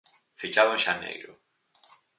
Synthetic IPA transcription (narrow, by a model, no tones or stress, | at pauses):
fit͡ʃaβanʃanḛjɾo̰